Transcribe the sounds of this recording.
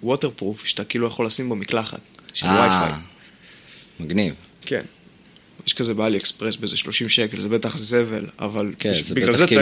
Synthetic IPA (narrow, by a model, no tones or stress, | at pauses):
woteʁpʁufʃe̥t̪akiiːlujaχo̞lːasimbomiklaχa̰tʃealwajfa̰j | maɡnivke̞̰n | jeʃkazebaaliekspʁesbeezeʃlo̞ʃimʃekelzebet̪aχze̞ve̞̰la̰valʃbiɡlalze